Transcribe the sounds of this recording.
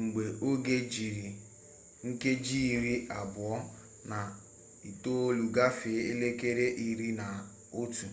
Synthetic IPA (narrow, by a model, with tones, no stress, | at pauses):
ŋ͡m̩˨ɡ͡be˨o˦ɡe˦d͡ʒi˨ɾi˨ | ŋ̩˦ke˦d͡ʒi˦˨ɾi˦ʔa˨bʊ˨ɔ˦ | na˨ | i˨to˦lu˨ɡa˦fɪ˨˦e˦le˦ke˦ɾe˦ʔi˦ɾi˦na˨ | o˦tu˨